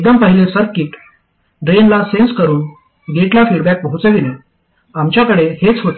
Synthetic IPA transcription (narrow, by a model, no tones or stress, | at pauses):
eɡ̚d̪əmpəɦilesəɾkiːʈ | ɖɾenlasenskəɾuːn | ɡeʈljafiɽbæk̚pəɦut͡səʋine | amt͡ɕjakəɽehet͡sɦot̪e